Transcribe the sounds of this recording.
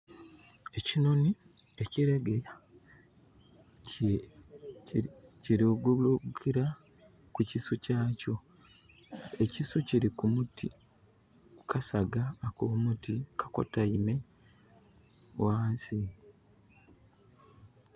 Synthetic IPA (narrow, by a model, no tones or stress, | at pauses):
e̞cino̞ni | eciɾeɡea | ciɾiɡulukʰiɾa | kucisucaːco̞ | ecisuciɾikumutʰi | kʰasaɡaːkomutikʰḁko̞̰taime̞ | waːsi